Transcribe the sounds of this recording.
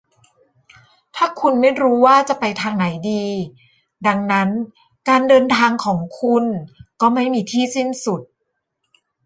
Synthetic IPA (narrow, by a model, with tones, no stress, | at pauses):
t̪ʰaː˥˩kʰu˧nma˥˩jɾuː˦˥waː˥˩t͡ɕa˨˩pa˧jt̪ʰaː˧ŋna˩˦jdiː˧ | da˧ŋna˦˥n | kaː˧ndɤː˧nt̪ʰaː˧ŋkʰɔː˩˦ŋkʰu˧nkɔː˥˩ma˥˩jmiː˧t̪ʰiː˥˩si˥˩nsu˨˩t̪̚